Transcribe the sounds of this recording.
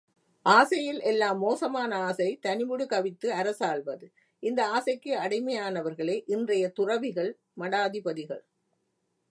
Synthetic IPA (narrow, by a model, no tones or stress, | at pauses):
ʔaːsɐjɪlʔɛlːaːmːoːsɐmaːnɐaːsɐɪt̪ɐnɪʋɯɽɯkɐʋɪt̪ːɯɐɾɐsaːɭʋɐðɯ | ɪnd̪ɐaːsɐɪkːɯɐɽɪmɐjaːnɐʋɐɾɣɐɭeːʔɪndrɐjɐt̪ʊrɐʋɪɣɐɭ | mɐɽaːðɪpɐðɪɣɐ̰ɭ